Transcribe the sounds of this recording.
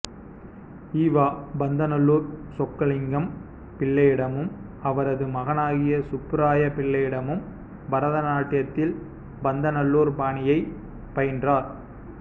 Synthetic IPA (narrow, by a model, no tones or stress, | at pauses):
iːʋaːbɐnd̪ɐnɐlːuːɾsɔkːɐɭɪŋɡɐm | pɪɭːɐjɪɽɐmɯm | ɐʋɐɾɐðɯmɐɣɐnaːɣɪjɐsʊpːɾaːjɐpɪɭːɐjɪɽɐmɯm | bɐɾɐðɐnaːʈːɪjɐt̪ːɪl | bɐnd̪ɐnɐɭːuːɾbaːɳɪjɐɪ | pɐjɪndraːɾ